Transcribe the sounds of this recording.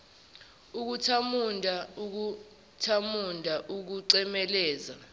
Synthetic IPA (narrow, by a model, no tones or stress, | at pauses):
uk̬utʰamundʱauk̬u | tʰamundʱaʔuk̬uǀɛmɛlɛːza̰